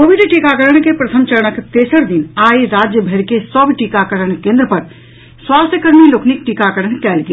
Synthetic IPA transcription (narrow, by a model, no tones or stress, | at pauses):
koʋiɖʈikakəɾəɳ̃kepɾɐt̪ʰəmt͡ʃəɾəɳ̃əkt̪eːsəɾd̪inaːjɾaːd͡ʒjəbʱeɾkesəbʈikakəɾəɳ̃kẽːnd̪ɾəpəɾ | swaːst̪ʰjəkəɾmiloːkʰnik̚ʈikakəɾəɳkɛːlɡe